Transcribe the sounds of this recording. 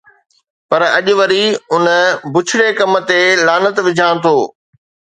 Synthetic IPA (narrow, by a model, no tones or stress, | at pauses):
pɐɾɐʄʊʋɐɾiʊnəbʊt͡ɕʰɪɽekɐm̆t̪elaːnət̪ʋɪd͡ʑʱãːɽ̃t̪ʰoː